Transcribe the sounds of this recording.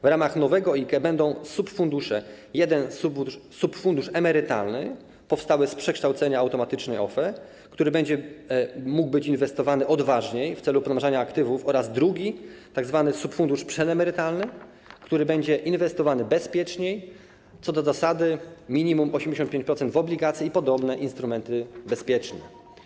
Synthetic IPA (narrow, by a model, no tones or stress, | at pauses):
vɾamaxnɔvɛɡɔikɛbɛnd̪ɔ̃w̃supfund̪uʂɛ | jɛd̪ɛnsubusupfund̪uʂɛmɛɾɘt̪a̰lnɘ | pɔfst̪awɘspʂɛkʂt̪awt̪sɛɲaawt̪ɔmat̪ɘt͡ʂnɛjɔ̰fɛ | kt̪uɾɘbɛɲd͡ʑɛ | muɡ̚bɘt͡ɕinvɛst̪ɔvanɘʔɔd̪vaʐɲejft̪sɛlupɔnaʐaɲaːkt̪ɘvufɔɾazd̪ɾuɡʲit̪aɡzvanɘsupfund̪uʂpʂɛnɛmɛɾɘt̪alnɘ | kt̪uɾɘbɛɲd͡ʑɛʔinvɛst̪ɔvanɘbɛspʲjɛt͡ʂɲej | t̪sɔd̪ɔzasad̪ɘmʲiɲimumɔɕɛmd͡ʑeɕɔnt̪pʲẽɲt͡ɕʲpɾɔt̪ɛnd̪vɔblʲiɡat̪sʲjiipɔd̪ɔbnɛʔinst̪ɾumɛnt̪ɘbɛspʲjɛt͡ʂnɛ